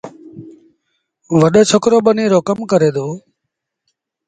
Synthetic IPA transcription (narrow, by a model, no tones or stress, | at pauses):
ʋəɗət͡ʃʰokɾoːɓəniːɾoːkəmkəɾeːd̪oː